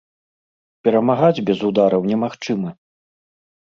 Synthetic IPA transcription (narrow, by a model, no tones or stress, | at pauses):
pʲɛɾɐmaɣad͡zʲbʲɛzud̪aɾɐwnʲɛmaxt͡ʂɨmɨ